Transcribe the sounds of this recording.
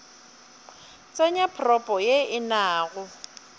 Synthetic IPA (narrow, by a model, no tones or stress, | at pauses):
t͡sʼaɲapʰrɔpʼɔjeɪnaːɣʊ